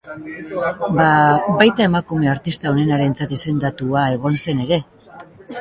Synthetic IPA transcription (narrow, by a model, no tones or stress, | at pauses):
baβajt̪ae̞makume̞aɾt̪ist̪ao̞ne̞naɾe̞nt͡sat̪ise̞nd̪at̪uae̞ɣ̞o̞nse̞ne̞ɾe̞